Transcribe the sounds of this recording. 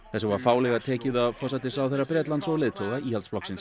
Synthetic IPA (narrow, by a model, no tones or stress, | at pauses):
θɛsʏvaɾ̥faːwlɛɣat̪ʰɛːcɪðafɔːsat̪ɪsawθejrːapɾɛːt̪lant̪sɔlɪːðt̪ʰowɣaiːhaltsplɔksɪns